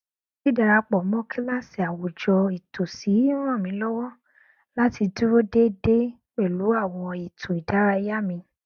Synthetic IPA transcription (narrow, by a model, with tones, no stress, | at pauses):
ki˦˨da˨˧ɾa˧k͡pɔ˨˦mɔ̃˦kʰi˦la˦si˨a˨wo˨d͡ʒɔ˧i˨to˨si˨˦ɾ̃ã˦˨mĩ˨˦lɔ˦wɔ˦ | la˦ti˧du˦ɾo˦de˦de˦ | k͡pe˦˨lu˨˦a˦˨w̃ɔ̃˧i˨tʰo˨i˨da˨˦ɾa˧i˧ja˦mĩ˧